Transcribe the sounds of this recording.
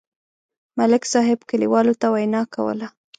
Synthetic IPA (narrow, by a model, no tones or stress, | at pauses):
malɪksɑɦɪbkəlḭwɑlot̪awajnɑkawə̰la